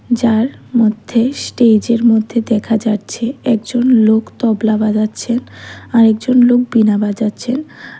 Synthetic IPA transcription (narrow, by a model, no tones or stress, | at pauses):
d͡ʑaɾmod̪ʱːesʈed͡ʑeɾmod̪ʱːed̪ɛkʰad͡ʑaʈːɕʰeɛkd͡ʑonlokt̪ɔblabad͡ʑatːɕʰenaɾɛk̚d͡ʑonlok̚binabad͡ʑatːɕʰen